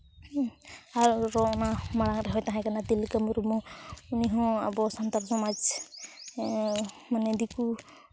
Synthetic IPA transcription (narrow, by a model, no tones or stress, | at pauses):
aɾɾɔʔnamaɽaŋɾɛɦɔjt̪aɦãkanat̪ilkəmɾumɔuniɦɔ̃abɔsant̪aɾsɔmad͡ʒ | manɛd̪iku